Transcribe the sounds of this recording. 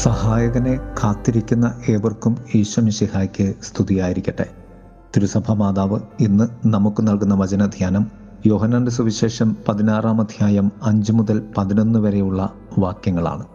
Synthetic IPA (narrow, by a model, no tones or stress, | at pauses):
sɐhaːjɐɣɐne̞kʰaːt̪ːiɾikʲːunːɐʔe̞ːborkumiːɕʋɐmiɕihaːjkʲːɨst̪ʰuðijaːjiɾikʲːɐʈːḛ | t̪iɾusɐbʱɐmaːðaːʋɨinːɨnɐmukːɨnɐlkunːɐʋɐt͡ɕɐnɐd̪ʱjaːnɐm | joːɦɐnːaːndɨsuʋiɕe̞ːʂɐmpɐðinaːraːmɐd̪ʱjaːjɐmɐɲd͡ʑɨmuðɐlpɐðino̞nːɨʋɐɾe̞juɭːɐ | ʋaːkjɐŋːɐɭa̰ːɳɨ